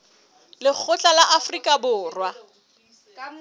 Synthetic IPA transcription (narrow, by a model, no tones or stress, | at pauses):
lɪk͡xʰʊt͡ɬʼalaʔafrikʼabʊːrwa